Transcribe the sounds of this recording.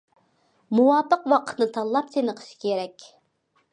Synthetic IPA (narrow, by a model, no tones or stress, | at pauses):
muwɑːpəqwɑqʰə̥t̪nɨt̪ʰɑlˠːɑp̚t̪ʰenəqʰə̥ʃi̥kʲʰeɾɛkʲ